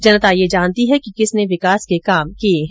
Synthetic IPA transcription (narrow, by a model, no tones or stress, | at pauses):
d͡ʒɐnət̪ajed͡ʒaːnt̪iɦɛkikɪsneʋɪkaːskekaːmkieɦ